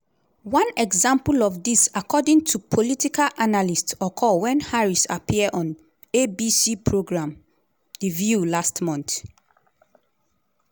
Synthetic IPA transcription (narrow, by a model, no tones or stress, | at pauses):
wãnɛɡzãmpulɔfdisakʰɔdĩŋtʰupʰolitikalʔanalistsɔkʰɔwɛ̃nhaɹisa̰pʰiədɔ̃n | ebisipʰɹoɡɹãm | divjulastmɔ̃nt